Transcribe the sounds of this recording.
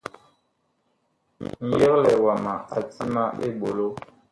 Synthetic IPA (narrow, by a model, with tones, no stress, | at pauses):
n̩˨jə˦klɛ˨wa˨ma˨a˨ti˦ma˦ḛ˦ɓo˨lo˦